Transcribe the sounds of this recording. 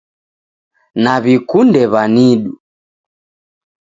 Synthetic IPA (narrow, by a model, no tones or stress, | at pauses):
naβikundɛβaniɗu